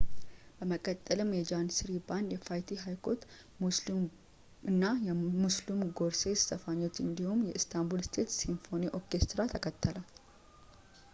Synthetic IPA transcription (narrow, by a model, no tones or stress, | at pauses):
b̥əməkʼət̪ʼːəlɨmjɛd͡ʒansɨɾiband̪jɛfajt̪ʰiɦajkʰo̞t̪ | mus | ɨnːajɛmuslumɡo̞ɾse̞sɨ̥səfaɲːot̪ɨnd̪ihumjɛɨst̪ʰambulst̪ʰe̞t̪sinfo̞niʔokest̪ɾat̪ʰəkʰət̪ʰʼːəlal